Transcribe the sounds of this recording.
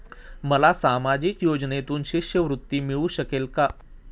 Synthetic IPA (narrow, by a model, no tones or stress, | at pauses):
məlasaːmad͡ʑikjoːd͡ʒnet̪uːnʃɪʃjəʋɾʊt̪ːimɪɭuʃəkeːlka